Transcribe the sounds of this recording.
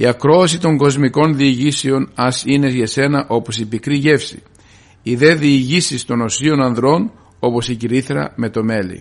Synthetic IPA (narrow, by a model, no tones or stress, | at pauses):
ḭɐkɾo̞ɐsit̪o̞ŋɡo̞zmiko̞nðiːʝiseo̞nɐsine̞ʝɐse̞nɐʔo̞po̞sipikɾiʝe̞fsḭ | iðe̞ðiːʝisist̪o̞no̞sio̞nɐnðɾo̞n | o̞po̞siciɾiθɾɐ̰me̞t̪o̞me̞lḭ